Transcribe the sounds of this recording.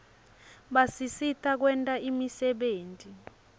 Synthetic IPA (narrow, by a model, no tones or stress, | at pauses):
ɓasisitʰʼak̬wɛntʼaʔimisɛɓeːntʼi